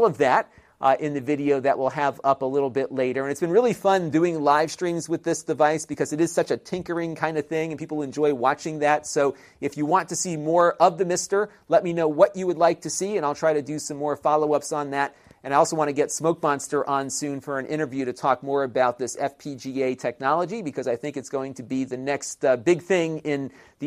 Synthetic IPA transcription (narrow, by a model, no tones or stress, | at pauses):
lˠʌvðæɾ | ʔɪ̃nðɨvɪɾioʊðɨʔwʔɪlˠɨvʌpəlɪɾl̩ˠbɪʔˡleɪɾə˞ɨ̃ñɨtsb̥ɨ̃nɹɪlˠifʌ̃ndʉɪ̃ŋlaɪv̥stɹ̥ĩmzwɨðɪsd̥ɨvaɪsb̥ɨkʰʌzɨɾɨz̥sʌt͡ʃɨtʰɪ̃ŋkə˞ɪ̃ŋkʰãɪ̃ndʌv̥θɪ̃ŋɨ̃npʰipl̩ˠɨ̃nd͡ʒɔɪwɑt͡ʃɪ̃ŋðætsoʊ | ɨfjɨwɑ̃ntʰɨsimɔɹʌvðɨmɪstə˞ | lɛt̚minoʊwʌt͡ʃɨwədˡlaɪk̚tʰɨsiɨ̃ñaɪlˠtʰɹ̥aɪɾɨdɨsʌ̃mːɔɹfɑlˠoʊʌpsn̩ðæɾ | ɨ̃naɪɔlˠsoʊwɑ̃nɨɡɛtsmoʊk̚mɑ̃nstə˞ʔə̃nsʉ̃nfə˞ɨ̃nʔɪ̰̃ɾ̃ə˞vjʉɾɨtʰɔk̚mɔɹɨbaʊt̪̚ðɪsɛfpʰid͡ʒieɪtʰɛk̚nɑlˠəd͡ʒibɨkʰʌzaɪθɪ̃ŋkɨtsɡ̥oʊɪ̃ŋtʰɨbiðɨnɛkstbɪɡ̚θɪ̃ŋɪ̃n | ði